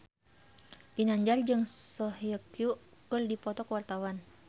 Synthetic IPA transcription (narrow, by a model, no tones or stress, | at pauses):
binaɲd͡ʒard͡ʒɨŋsɔhjəkjukərdipɔt̪ɔkəwart̪awan